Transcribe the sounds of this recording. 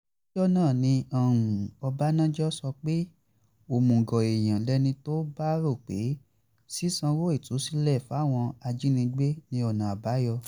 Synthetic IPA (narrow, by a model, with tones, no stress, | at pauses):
d͡ʒɔ˦nãː˦˨nĩ˧ã˨ũ˨ɔ˧ba˦nã˦d͡ʒɔ˦sɔ˧k͡pe˦ | o˨mũ˨ɡɔ˨e˨j̃ã˨lɛ˦nĩ˧to˦ba˦ɾo˦˨k͡pe˨˦ | si˦sã˧wo˦i˦˨tu˨˦si˦lɛ˦˨fa˦˨w̃ɔ̃˧a˧d͡ʒi˦nĩ˧ɡ͡be˦nĩ˧˦ɔ˨nã˨a˨ba˨˦jɔ˧